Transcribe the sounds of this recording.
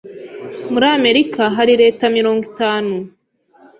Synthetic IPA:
muɾame̞ɾikʰaɦaɾiɾe̞ːtamiɾo̞ːŋɡitaːnu

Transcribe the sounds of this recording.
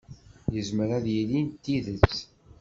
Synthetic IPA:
jəzməɾæðjilint̪ːiðət͡sː

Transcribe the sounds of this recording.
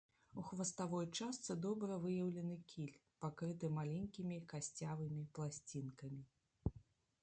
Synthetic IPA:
uxvɐst̪avɔjt͡ʂast̪sɨd̪ɔbɾɐvɨjɐwlʲɛnɨkʲʰilʲpakɾɨt̪ɨmalʲɛŋʲkʲimʲikasʲt͡sʲavɨmʲiplˠasʲt͡sʲinkɐmʲi

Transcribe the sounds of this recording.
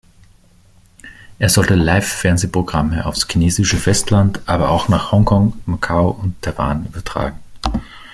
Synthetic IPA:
ʔeːɐzɔltəlaɪfːɛɐnzeːpʁ̥oɡʁaməʔa̰ʊfskʰineːzɪʃəfɛstʰlantʔaːbɐaʊxnaːχhɔŋkʰɔŋmakʰaʊʊntʰːaɪva̰ːnʔyːbɐtʁ̥a̰ːɡŋ̩

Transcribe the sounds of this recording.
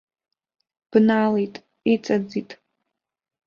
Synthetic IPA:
b̥naːlejtʼ | et͡sʼad͡zitʼ

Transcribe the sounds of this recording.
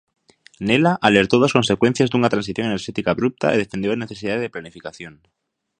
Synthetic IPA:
nelaʔale̞ɾt̪oðasko̞nse̞kwe̞n̟θjazdunat̪ɾansiθjo̞ŋene̞ɾʃet̪ikaːβɾup̚t̪a̰eðefend̪jone̞θe̞siðaðeðeplanifikaθjo̞n

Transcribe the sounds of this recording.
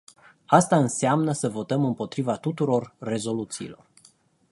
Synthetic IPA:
ast̪aɨnseamnəsəvo̞t̪əmɨmpo̞t̪ɾivat̪ut̪uɾo̞rːe̞zo̞lut̪siːlo̞̰r

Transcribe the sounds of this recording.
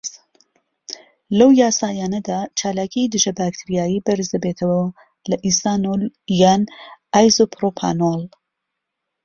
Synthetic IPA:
lɐwjaːsaːjaːnɐd̪aːt͡ʃʰaːlaːcʰijd̪ɨʒɐbaːk̚t̪ʰiɾijaːjiːbɐɾzd̪ɐbeːt̪ʰɐwɐ | lɐʔist̪aːnoljaːnʔaːjzopʰɾopʰa̰nol

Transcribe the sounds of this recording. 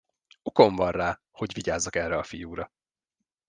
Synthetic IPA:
uko̞ɱvɒrraː | ho̞ɟviɟaːzːɒkɛrːɛɒfijuːɾɒ

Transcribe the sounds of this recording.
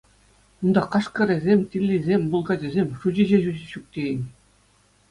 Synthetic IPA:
und̪ɑqɑʂkɤ̆ɾʲĕzʲemʲt̪ʲilʲːizʲemʲbulˠɡɑd͡ʑĕzʲemʲʂuʑiʑeʑuɕuk̚t̪ʲejɘ̆nʲ

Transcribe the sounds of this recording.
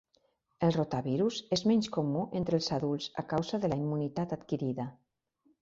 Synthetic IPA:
elˠrot̪aβiɾusezmɛɲskomuʔent̪ɾelˠsaðulˠsa̰kawzaðəlaimːunit̪at̪at̪kiɾiða

